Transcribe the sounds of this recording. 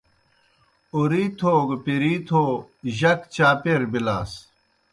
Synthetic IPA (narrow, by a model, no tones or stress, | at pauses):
uɾiːt̪ʰoːɡpiɾiːt̪ʰoːʑɐkt͡ɕaːpeɾbilaːs